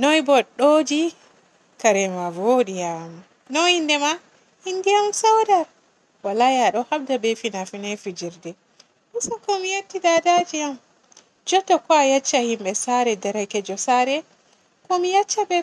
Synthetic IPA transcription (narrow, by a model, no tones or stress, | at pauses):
nɔjbɔɗod͡ʒi | kaɾɛmavoːɗijamu | nɔhindɛma | hindijamsawdaɾ | walajaɗɔhabdabɛfinafinɛfid͡ʒiɾdɛ | misakɔmijetːidadad͡ʒiam | d͡ʒɔtːɔkɔajat͡ʃːahimɓɛsaɾɛdaɾakɛd͡ʒɔsaɾɛ | kɔmijat͡ʃːabɛ